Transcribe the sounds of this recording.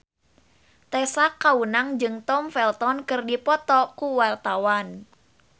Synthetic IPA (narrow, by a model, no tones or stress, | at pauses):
t̪ɛsakːaunaŋd͡ʒɨŋt̪ɔmfɛlt̪ɔnkərdipɔt̪ɔkuwart̪awan